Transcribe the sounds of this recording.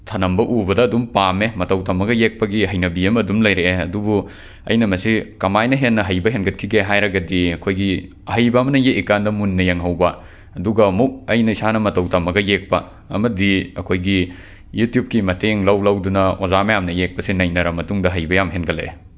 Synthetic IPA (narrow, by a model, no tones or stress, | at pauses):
tʰɐnɐmbɐʔubɐdɐːdumpamemɐtɐwtɐmːɐɡɐjek̚pɐɡiɦɐjnɐbiɐmɐdumlɐjɾeɐdubu | ɐ̰jnɐmɐsikɐmajnɐɦenːɐɦɐjbɐɦenɡɐt̚kʰiɡeɦajɾɐɡɐdiɐkʰojɡi | hɐjbɐːmɐnɐjeʔikandɐmunːɐjɐŋɦɐwbɐ | ɐduɡɐmuk̚ɐjnɐisanɐmɐtɐwtɐmːɐɡɐjek̚pɐ | ɐ̰mɐdiɐkʰojɡi | jutjup̚kimɐteŋlɐwlɐwdunɐozamɐjamnɐjek̚pɐsinɐjnɐɾɐmɐtuŋdɐɦɐjbɐjamɦenɡɐlḛ